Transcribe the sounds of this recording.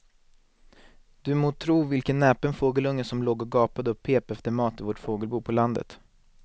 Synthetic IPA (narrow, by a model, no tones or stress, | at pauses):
d̪̥ɵmoːt̪ʰɾuːvɪlkənːɛːpənfoːɡəlɵŋːəsɔmloːɡɔɡɑːpad̪əɵpʰːeːpɛft̪əɾmɑːt̪ɪvoːʈfoːɡəlbuːpʰɔland̪ə̰t̪